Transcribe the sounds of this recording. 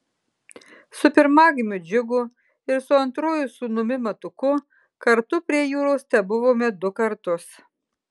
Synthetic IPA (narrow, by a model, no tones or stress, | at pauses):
sʊpʲɪɾmɑːɡʲɪmʲʊd͡ʒʲʊɡʊ | ɪɾsʊɐnt̪ɾoːjʊsʊnʊmʲɪmɐt̪ʊkʊ | kɐɾt̪ʊpʲɾʲiɛjuːɾoʊst̪ʲɛbʊʋoːmʲɛd̪ʊkɐɾt̪ʊs